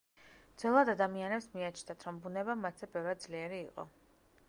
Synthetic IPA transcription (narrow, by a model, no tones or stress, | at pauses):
d̪zwɛlˠad̪ad̪amianɛpsmiat͡ʃʰnat̪ʰɾɔmbunɛbamːat̪ʰzɛbɛvɾad̪zliɛɾiːqʼɔ̰